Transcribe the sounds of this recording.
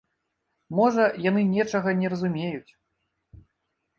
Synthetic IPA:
mɔʐɐjanɨnʲɛt͡ʂɐɣɐnʲɛɾɐzumʲejut͡sʲ

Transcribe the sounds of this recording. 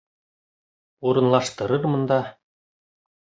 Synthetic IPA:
uɾɤ̆nlˠɑʃt̪ɤ̆ɾɤɾmɤ̆nd̪ɑ

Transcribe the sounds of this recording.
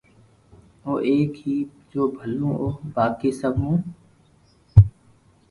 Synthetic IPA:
oːʔeːkɦiːd͡ʒoːbʱəlõːʔoːbaːkeːsəbɦũː

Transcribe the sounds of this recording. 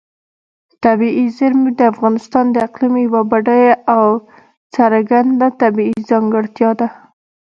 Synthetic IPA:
t̪abiizɪɾmid̪əafɣɑnɪst̪ɑnd̪əɪqlimijwabaɖajaw | t͡saɾɡand̪at̪abiizɑŋɡəɽt̪jɑd̪a

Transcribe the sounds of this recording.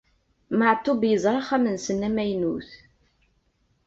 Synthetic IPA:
məʕt̪ˤːobjəzˤɾˤɑχæmənsənːæmæjnuθ

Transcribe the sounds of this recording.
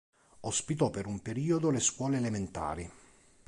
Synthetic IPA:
ospit̪ɔpːeɾumpeɾiːod̪oleskwɔːleːlement̪a̰ːɾi

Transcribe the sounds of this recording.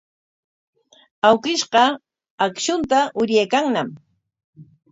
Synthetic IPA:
awkɪʃɢɑ | akʃʊnt̪aʔʊɾjajkaŋnam

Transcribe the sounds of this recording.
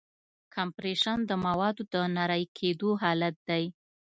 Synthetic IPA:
kʰampɾeʃand̪əmawɑd̪od̪ənaɾajkʰed̪oɦɑlat̪̚d̪aj

